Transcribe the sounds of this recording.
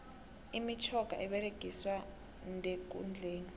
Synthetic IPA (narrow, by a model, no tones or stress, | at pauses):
imit͡ʃʰɔɡ̥ʱa̰ʔɛɓɛɾeɡ̥ʱiswa | ndʱek̬ʼṵnd͡ɮʱeːni